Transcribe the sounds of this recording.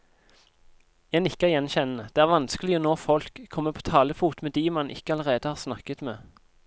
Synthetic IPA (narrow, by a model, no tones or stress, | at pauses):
jæɪnɪkːæjɛnçɛnn̩əd̪̥eːæːʁʋɑnskəlɪonoːfɔlkʰːɔmːəpʰo̥ːt̪ʰɑːləfuːt̪med̪iːmɑnʔɪ̰kəɑləʁeːd̪əhɑːʁsnɑkət̪mḛː